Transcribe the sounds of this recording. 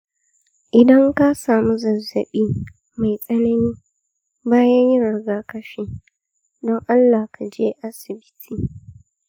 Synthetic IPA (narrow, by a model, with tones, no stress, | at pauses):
ʔɪ˨dɐ˦ŋka˦saː˨mu˦zɐ˨zɐ˨ɓiː˦ | ma˨jsʼɐ˦nɐ˦niː˦ | baː˦jɐ˦ɲjɪ˦ɽɪ˦ɡaː˨kɐ˦ɸɪ˦ | dɔ˦ŋʔa˦lːaː˨hka˨d͡ʒeː˦ʔa˦sɪ˨bɪ˦tʰiː˨